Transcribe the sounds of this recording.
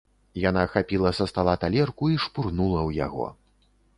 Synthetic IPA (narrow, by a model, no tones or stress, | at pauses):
janaxapʲilˠɐsɐst̪alˠat̪alʲɛrkuiʂpurnulˠɐwja̰ɣɔ̰